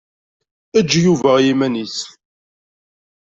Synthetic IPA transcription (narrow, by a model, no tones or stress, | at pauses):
æd͡ʒːjuvæʁjimænis